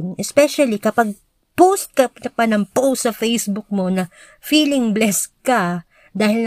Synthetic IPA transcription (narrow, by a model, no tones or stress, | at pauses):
nʔɛspɛʃɐlikɐpɐɡ̚ | post̪̚kɐpɐpɐnɐŋpowtsɐfejsbʊk̚mo̞nɐ | fiːlɪŋblɛskɐ | d̪aːhɪln